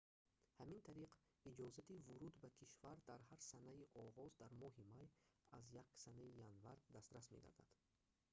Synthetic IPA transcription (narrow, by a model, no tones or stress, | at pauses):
hamint̪ʰaɾiq | id͡ʒɔzat̪ivuɾud̪bakʰiʃvaɾd̪aɾɦaɾsanaiʔɔʁɔzd̪aɾmɔɦimajazjaksanaijanvaɾd̪ast̪ɾasmed̪a̰d̪a̰d̪̥